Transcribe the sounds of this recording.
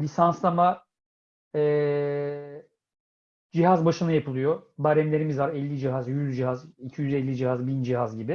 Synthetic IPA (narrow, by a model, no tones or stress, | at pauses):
lʲisanslˠama | ɛː | d͡ʒiɦazbaʃɯnajapʰɯlˠɯjobaɾɛmlʲe̞ɾimizvaɾɛlʲːid͡ʒiɦazjyzd͡ʒiɦazicʰijyzɛlʲːid͡ʒiɦazbind͡ʒiɦazɟibɪ